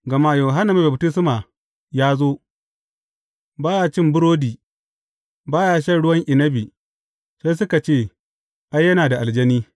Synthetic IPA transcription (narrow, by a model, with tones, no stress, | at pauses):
ɡɐ˨ma˦jo˨ɦa˦na˨ma˦bɐ˨btɪ˦s̬ma˨ | jaː˦zoː˦ | baː˦ja˦t͡ʃɪ˦mbʊ˦ɾoː˦diː˨ | baː˦ja˦ʃ̬ɐ˦˨ɽʊ˦wɐ˦ŋʔɪ˨nɐ˦bi˨ | se˦s̬ʊ˦ka˨t͡ʃeː˦˨ | ʔa˦jːɐ˦naː˨da˨ʔa˨ld͡ʒɐ˦niː˦